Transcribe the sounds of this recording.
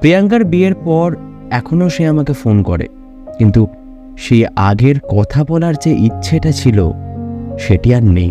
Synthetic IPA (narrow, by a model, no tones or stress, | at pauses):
pɾiaŋkaɾbieɾpɔɾ | ɛkʰonoʃeamakefonkɔɾḛ | kint̪u | ʃejaɡeɾkɔt̪ʰabɔlaɾd͡ʑeʔitːɕʰeʈat͡ɕʰilo̰ | ʃeʈiaɾnḛj